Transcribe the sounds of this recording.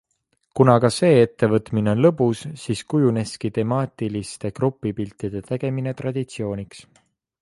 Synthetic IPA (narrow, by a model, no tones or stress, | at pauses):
kunɑkɑse̞ːe̞t̪ːe̞vɤt̪ˑmineo̞nlɤ̞busːiskujune̞skit̪e̞mɑːt̪ˑilist̪e̞krupːˑipilt̪ːˑid̪̥e̞t̪e̞ɡ̥e̞mine̞t̪rɑd̪̥it̪sio̞ːnʲiks